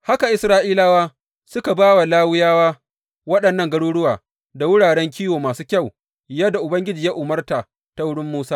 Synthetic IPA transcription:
ha˦ka˨ʔɪ˨sɾaː˦ʔiː˦la˦waː˦ | sʊ˦ka˨baː˦wa˨laː˦wʊ˦jaː˦waː˦ | wɐ˦ɗɐ˨nːɐ˦˨ŋɡɐ˦ɽuː˦ɽʊ˦waː˨ | da˨wʊ˦ɽaː˨ɽɛ˦ŋkʲiː˦woː˨maː˨suː˦kʲa˦˨w | jɐ˦da˨ʔʊ˨bɐ˦ŋɡʲɪ˦d͡ʒiː˨ja˦ʔʊ˨mɐ˦rta˨ | ta˦wʊ˦ɽɪ˦mːuː˦saː˦

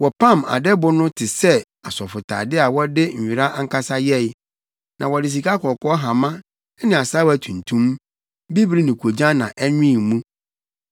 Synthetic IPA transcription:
wɔ˨pʰã˦˨ma̰˨dɛ˦bʊ˦nʊ̃˦tʰɪ˨sɛ˦ | a˨sɔ˨fʊ˨tʰa̰ː˨dɪ˦a˨wɔ˦dɪ˦ɲ̩ᶣ˨i˨ɾa˦ʔa˦ŋ̩˦kʰa˦sa˦jɛ˦˨j | nʔã˨wɔ˨dɪ˨s̬i˨ka˦kɔ˨kʰɔ˦ɦa˨mã˦ | ɛ˦nɪ̃˨a˨sa˦wæ˨tʰũ˨n˨tʰũ˦m | bi˦bɾi˦nĩ˨kʰo˨d͡ʑã˦nã˨ʔɛ˦ɲᶣĩ˦˨mũ˦

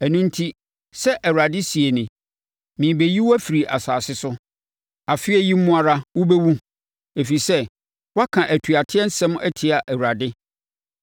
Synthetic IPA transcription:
æ˨nũ˦n̩˦tʰi˦ | sɛ˦ʔɛ˨wɾa˨dɪ˦si˨e˨nɪ̃˨ | mĩ˨be˨ji˦wæ˦fi˨ɾi˨ʔa˨saː˨sɪ˦sʊ˦ | a˨fɪ˦ɛ˦ji˦m̩˦mʊ̃˦a˦ɾa˦wʊ˦be˦wũ˦ | e˨fi˨sɛ˦ | wa˦kʰã˨ʔæ˨tʰɥa˨tʰɪ˦ɛ˦n̩˦sɛ̃˦m˦ɛ˦tʰɪ˨a˨ʔæ˨wa˨dɪ˦

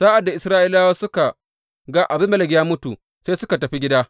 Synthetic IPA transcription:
saː˦ʔa˨dːa˨ʔɪ˨sɾaː˦ʔi˦laː˦waː˦sʊ˦ka˨ | ɡa˦ʔa˨bɪ˦mɐ˦lɛ˨ɡjaː˦mʊ˦tu˨ | seː˦sʊ˦ka˨tɐ˨ɸi˦ɡʲɪ˦daː˦

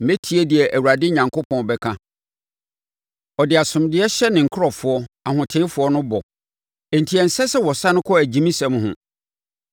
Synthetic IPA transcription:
mẽ˦tʰi˦e˦dɪ˨ɛ˨ʔæ˨wu˨ɾa˨dɪ˦ɲã˨ŋkʰo˦pʰɔ̃˨bɛ˨kʰã˦ | ɔ˨dɪ˨a˨sʊ̃˨mdɪ˦ɛ˦ɕɛ˦nɪ̃˨ŋ̩˨kʰɾɔ˨fʊ˨˦ɔ˦a˨hʊ̃˨tʰɪ̃˦fʊ˨˦ɔ˦nʊ̃˦bɔ˨ | ɛ˨n̩˨tʰi˨ɛ˨n̩˨sɛ˦sɛ˦wɔ˨sã˦nʊ̃˦kʰɔ˦æ˨d͡ʑĩ˦mĩ˦sɛ̃˨˦m˦ɦʊ̰̃˨

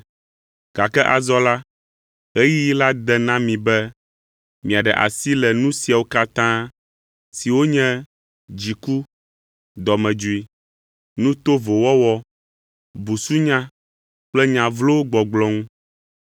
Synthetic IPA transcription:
ɡ̥a˨kɛ˦ʔa˨zɔ˦la˦ | e˦ji˦ji˦la˦d̪ɛ˨nã˦mĩ˨bɛ˦ | mĩ˨a˨ɖɛ˨ʔa̰˨si˦lɛ˨nũ˦si˨a˨wo˦ka˦t̪ã˦ | si˨wo˦ɲɛ̃˦ | d͡ʑi˨ku˦ | d̪ɔ˨mɛ̃˨d͡ʒu˨i˨ | nũ˦t̪o˦vo˨wɔ˦wɔ˦ | bu˨su˦ɲã˦ | k͡plɛ˦ɲã˨vlo˦wo˦ɡ͡bɔ˨ɡ͡blɔ̃˦ŋũ˦

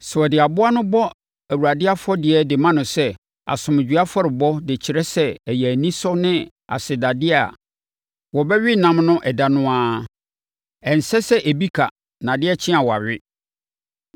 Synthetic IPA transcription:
sɔ˨dɪ˨a˨bʊ˦a˦nʊ̃˦bɔ˦ | æ˨wu˨ɾa˨dɪ˦a˦fɔ˦dɪ˨ɛ˨dɪ˨mã˦nʊ̃˨sɛ˦ | a̰˨sʊ̃˨m˨d͡ʑᶣɥa˦fɔ˦ɾɪ˨bɔ˦dɪ˨t͡ɕʰɪ˨ɾɛ˦sɛ˦ɛ˨jɛ˨æ˨nĩ˦sɔ˦nɪ̃˦ | a̰˨sɪ˨da˨dɪ˦a˦˨ | wɔ˨bɛ˦ɥɪ˦˨nã˦mnʊ̃˦ʔɛ˨da˨nʊ̃˦a˦ | ɛ̃˨n̩˨sɛ˦sɛ˦ʔæ˨bi˦kʰa˨ | nã˨dɪ˦ɛ˦t͡ɕʰɪ̃˦a˨wɔ˨a̰˨ɥɪ˦

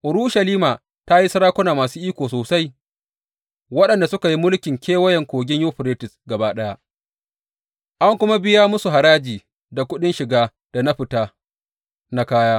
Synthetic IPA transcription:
ʔʊ˨ɾuː˦ʃɐ˨liː˦maː˨ | ta˦ji˦sɐ˦ɾaː˦kʷʊ˦naː˨maː˨suː˦ʔiː˦kʷoː˨soː˨sa˦j | wɐ˦ɗɐ˨nda˨sʊ˦ka˨ji˦mʊ˦lkʲɪ˨ŋkʲeː˦wɐ˦jɛ˨ŋkʷoː˨ɡʲɪ˦ɲjoː˦ɸɪ˨ɾeː˦tɪ˨sɡɐ˨baː˦ɗɐ˦ja˦ | ʔa˦ŋkʷʊ˦ma˦bɪ˦ja˦mʊ˦su˨ɦa˨ɾaː˦d͡ʒiː˨ | da˨kʷʊ˦ɗɪ˦nʃɪ˨ɡaː˦ | d̥a˨na˦ɸɪ˨taː˦ | na˦kaː˦jaː˦

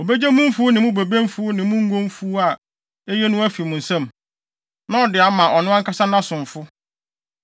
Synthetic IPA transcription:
o˨be˦d͡ʑæ˦mũ˦m˦fʊ˦ʊ˦nɪ̃˨mʊ̃˦be˨bæ̃˦m˦fʊ˦nɪ̃˨mʊ̃˦ŋ̩˦ɡõ˦m˦fu˦a˨ | e˦jɛ˦nʊ̃˦æ˦fi˨mʊ̃˨n̩˨sɛ̃˦m | nã˦ɔ˨dɪ˨a˨mã˨ʔɔ˨nʊ̃˦a˦ŋ̩˦kʰa˦sa˦nã˦sʊ̃˨ɱ˨fʊ˦

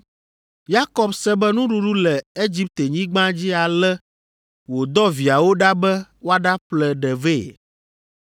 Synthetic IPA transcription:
ja˦kɔ˨bsɛ˦bɛ˦nũ˦ɖu˦ɖu˦lɛ˨e˦d͡ʑi˦p̚t̪e˨ɲĩ˦ɡ͡bã˦d͡ʑi˦a˨lɛ˦ | wo˨d̪ɔ˦vi˨a˨wo˦ɖa˦bɛ˦wo˦a˦ɖa˦plɛ˨ɖɛ˨ve˦˨

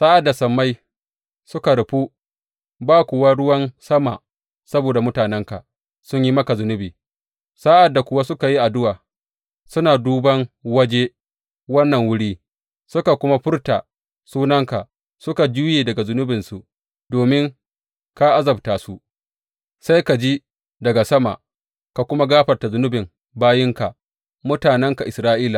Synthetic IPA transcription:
saː˦ʔa˨dːa˨sɐ˨mːa˦j | sʊ˦ka˨ɽʊ˨ɸu˦ | baː˦kʷʊ˨wa˦ɽʊ˦wɐ˦nsɐ˦ma˨ | sɐ˦boː˨da˨mʊ˦taː˨nɛ˦ŋka˨ | sʊ˦ɲji˦mɐ˦ka˨zʊ˦nʊ˦biː˨ | sa˦ʔa˨dːa˨kʷʊ˦wa˦sʊ˦ka˨ji˦ʔa˨dʊ˦waː˨ | sʊ˦naː˨duː˦bɐ˦ŋwɐ˦d͡ʒe˦ | wɐ˦nːɐ˨ŋwʊ˦ɽiː˦ | sʊ˦ka˨kʷʊ˦ma˦ɸʊ˦rta˨ | suː˦nɐ˦ŋka˨ | sʊ˦ka˨d͡ʒuː˦jeː˨dɐ˨ɡa˨zʊ˦nʊ˦bɪ˨nsu˨ | doː˨mɪ˦ŋ | ka˦ʔa˦zɐ˨btaː˨su˦ | sa˦jka˨d͡ʒi˦ | dɐ˨ɡa˨sɐ˦ma̰˨ | ka˨kʷʊ˦ma˦ɡaː˦ɸɐ˨rta˨zʊ˦nʊ˦bɪ˨ŋ | baː˦jɪ˦ŋka˨ | mʊ˦taː˨nɛ˦ŋka˨ʔɪ˨sɾaː˦ʔiː˦la˨

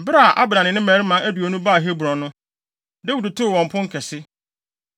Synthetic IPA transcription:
bɪ˦ɾa˦˨ʔa˦bɾã˨nɪ̃˨nɪ̃˦mæː˨˦ɾi˦mã˨˦ʔæ˦du˨o˨nũ˦ba˦˨ɦe˦bɾɔ̃˨nʊ̃˦ | dæ˦wu˨dɪ˨tʰʊ˦˨wɔ̃˨m̩˨pʰʊ̃˦ŋ̩˦kʰɛ˨sɪ˦

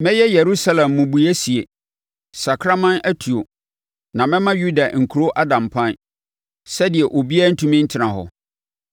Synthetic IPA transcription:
mɛ̃˦jɛ˦jɛ˨ɾu˦sa˦lɛ̃˨mːʊ̃˨bu˨æ˦si˨e˨ | sa˨kʰɾa˦mã˦næ˦tʰu˨o˨ | nã˨mɛ̃˦mã˦ju˦da˨ŋ̩˨kʰu˨ɾo˦ʔa˦dã˨mpʰã˦n | sɛ˦dɪ˨ɛ˨ʔo˨bi˦a˦n̩˦tʰũ˦mĩ˦n̩˦tʰɪ˨˦nã˨ɦɔ̰˨

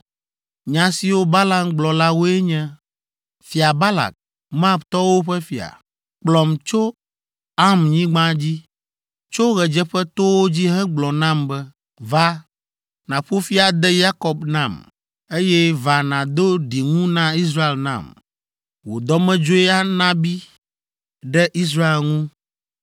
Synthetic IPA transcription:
ɲã˨si˨wo˦ba˦la˨mɡ͡blɔ˨la˦wo˦ɛ˦ɲɛ̃˦ | fi˨a˨ba˦la̰˨k̚ | m˦a˦˨bt̪ɔ˦wo˦ɸɛ˦fi˨a̰˨ | k͡plɔ˨mt͡ʃo˦ | a˦mɲĩ˦ɡ͡bã˦d͡ʑi˦ | t͡ʃo˦ɣɛ˨d͡ʒɛ˦ɸɛ˦t̪o˦wo˦d͡ʑi˦ɦɛ̃˦ɡ͡blɔ˨nã˦mbɛ˦ | va˦ | nã˨ɸo˦fi˦a˨d̪ɛ˦ja˦kɔ˨bnã˦˨m | e˦jɛ˦va˨nã˨d̪o˦ɖi˨ŋũ˦nã˦i˦s̬ɾa˦e˨lnã̰˨m | wo˨d̪ɔ˦mɛ̃˦d͡ʒo˦ɛ˦a˦nã˦bi˦ | ɖɛ˦ʔi˦s̬ɾa˦e˨lŋũ˦

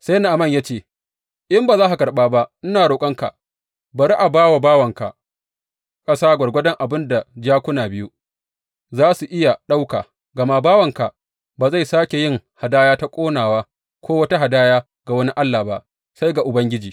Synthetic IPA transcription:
sa˦jna˨ʔa˨mɐ˦˨ɲjaː˦t͡ʃeː˦˨ | ʔɪ˦mbaː˨zaː˦ha˨kɐ˨ɾɓaː˦ba˦ʔnɪ˦naː˨ɽoː˨kʼɐ˦ŋka̰˨ | bɐ˨ɾi˦ʔa˨baː˦wa˨baː˦wɐ˨ŋka˨ | kʼɐ˦saː˦ɡʷɐ˨ɽɡʷɐ˦dɐ˦ŋʔa˨bɪ˦nda˨d͡ʒaː˦kʷʊ˦naː˨bɪ˦ju˦ | zaː˦su˨ʔɪ˦ja˨ɗa˦wkaː˨ | ɡɐ˨ma˦baː˦wɐ˨ŋka˨ | baː˨za˦˨jsaː˦kʲe˨jɪ˦ŋha˨daː˦jaː˦ta˦kʷʼoː˦naː˨waː˦ | kʷʰoː˦wɐ˦ta˦ɦa˨daː˦jaː˦ | ɡ̥a˨wɐ˦ni˦ʔa˦lːaː˨ba˦ʔ | sa˦jɡa˨ʔʊ˨bɐ˦ŋɡʲɪ˦d͡ʒiː˨

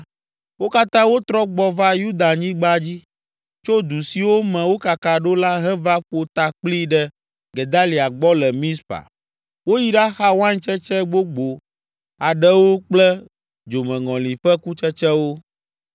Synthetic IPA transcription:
wo˦ka˦t̪ã˦wo˦t̪ɾɔ˦ɡ͡bɔ˦va˦ju˦d̪a˨ɲĩ˦ɡ͡ba˦d͡ʑi˦ | t͡ʃo˦d̪u˨si˨wo˦mɛ̃˨wo˦ka˨ka˨ɖo˦la˦ɦɛ˦va˦ɸo˨t̪a˨k͡pli˦ɖɛ˦ | ɡe˨d̪a˦li˨a˨ɡ͡bɔ˦lɛ˨mĩ˦spa̰˨ | wo˦ji˦ɖa˦xa˦wã˦ɲ˦t͡ʃɛ˦t͡ʃɛ˦ɡ͡bo˦ɡ͡bo˨ | a˨ɖɛ˦wo˦k͡plɛ˦ | d͡ʒo˨mɛ̃˨ŋɔ̃˨lĩ˨ɸɛ˦ku˦t͡ʃɛ˦t͡ʃɛ˦wo˦

